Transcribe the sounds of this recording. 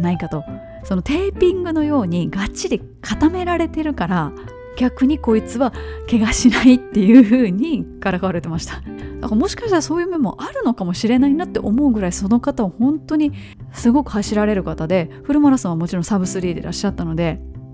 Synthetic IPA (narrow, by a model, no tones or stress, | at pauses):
naikat̪o̞ | so̞not̪e̞ːpʲĩŋɡɯ̟nojo̞ːɲ̟iɡat͡ɕːid̪e̞ | kʰat̪ame̞ɾaɾe̞t̪e̞ɾɯ̟kaɾa | ɡ̥ʲakɯ̟ɲ̟iko̞it͡sɨβake̞ɡaɕinait̪ːe̞jɯ̟ɸɯ̟ːɲ̟ikaɾakaβaɾe̞t̪e̞maɕi̥t̪ḁd̪akamo̞ɕi̥kaɕit̪aɾaso̞ːjɯ̟ːmemːo̞ʔaɾɯ̟no̞kamo̞ɕiɾe̞nainat̪ːe̞ʔo̞mo̞ɯ̟ɡɯ̟ɾaiso̞no̞kat̪aohõ̞nt̪o̞ɲ̟i | sɨɡo̞kɯ̟haɕiɾaɾe̞ɾɯ̟kat̪ad̪e̞ɸɯ̟ɾɯ̟maɾasãɰ̃βamo̞t͡ɕiɾõ̞sabɯ̟sɨɾʲiːd̪e̞̰ɾa̰ɕːat̪ːano̞d̪e̞